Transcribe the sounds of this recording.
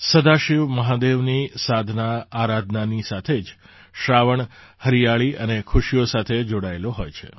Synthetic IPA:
səd̪ʱaʃiʋməɦad̪eʋnisad̪ʱnaːɾad̪ʱnanisat̪ʰed͡ʒ | ʃɾaʋəɳhəɾijaɭiʔənekʰʊʃijosat̪ʰed͡ʒoɽaeloɦojt͡ʃʰḛ

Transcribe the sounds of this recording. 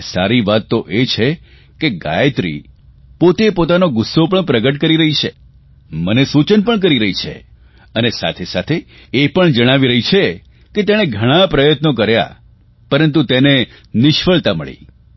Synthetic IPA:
saɾiʋat̪ːoʔet͡ʃʰe | keɡa̰jt̪ɾḭ | pot̪epot̪anoɡʊsːopəɳpɾəɡəʈkəɾiɾəɦit͡ʃʰe | mənesut͡ʃənpəɳk̬əɾiɾəɦit͡ʃʰḛ | ənesa̰t̪ʰesat̪ʰeː | pəɳd͡ʒəɽ̃aʋiɾəɦit͡ʃʰe | ket̪eɽ̃eɡʱəɽ̃ãpɾəjət̪nok̬əɾja̰ | pəɾənt̪ut̪ene | nɪʃfəɭt̪aməɭḭ

